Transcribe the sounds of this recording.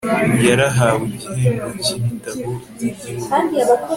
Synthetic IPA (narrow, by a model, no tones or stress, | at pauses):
jaɾaɦaweɟiheːŋɡocimitaβo | kaːndiaβako